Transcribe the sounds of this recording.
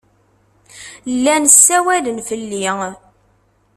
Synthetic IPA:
lːænsːæwælənfəlːi

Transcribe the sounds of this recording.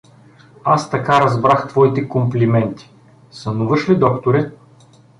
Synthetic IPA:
ast̪ɐkaɾɐzbɾaxt̪vɔit̪ɛkomplʲimɛnt̪i̥ | sɐnuvɤʃlid̪ɔkt̪oɾɛt̪̚

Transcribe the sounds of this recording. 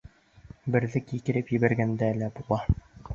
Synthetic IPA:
bɘ̆ɾðɘkikɘ̆ɾɘpjɘ̆βæɾɡænd̪ælæbulˠɑ

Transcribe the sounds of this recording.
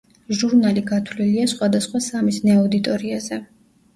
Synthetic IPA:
ʒuɾnaliɡat̪ʰwliliasχwad̪asχwasamisnaɔd̪it̪ʼɔɾiazɛ

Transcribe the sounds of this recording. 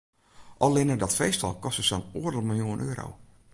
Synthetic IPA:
ʔɔlˠɪnədɔtfejstɔ̰lˠkɔstəsɔnuədəlˠmɪlˠjuənʔøːɾo̰w

